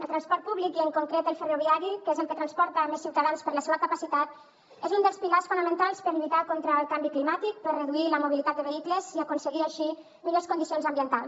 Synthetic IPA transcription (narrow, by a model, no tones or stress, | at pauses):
əlˠt̪ɾanspɔɾt̪̚puβlikiəŋkuŋkɾet̪əlˠfəroβiaɾikezəmpɾət̪ɾanspɔɾt̪əmesiwt̪aðanspəɾləseβəkəpəsit̪at̪ | ezund̪əlˠspilasfunəmə̃nt̪alˠspəɾʎuit̪akont̪ɾəːlˠkambiklimat̪ik̚pəɾrəðuiləmuβilit̪at̪̚əβeikləziəkunsəɣiaʃi | miʎoskund̪isionzəmbiənt̪alˠs